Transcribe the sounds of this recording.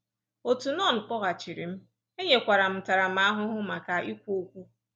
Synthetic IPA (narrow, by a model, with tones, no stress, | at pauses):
o˨tu˨nɔ˦˨n̩˨k͡pɔ˦ɣa˨t͡ʃi˨ɾi˨m̩˦ | e˦ɲe˨kʷa˨ɾa˨m̩˨ta˨ɾa˨m̩˨˦a˦ɦʊ˦ɦʊ˦ma˨ka˨ʔi˦kʷo˦kʷu˦